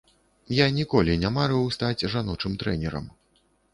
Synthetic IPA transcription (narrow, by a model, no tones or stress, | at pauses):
janʲikɔlʲinʲamaɾɛwst̪ad͡zʲʐanɔt͡ʂɨmt̪ɾɛnʲɛɾɐ̰m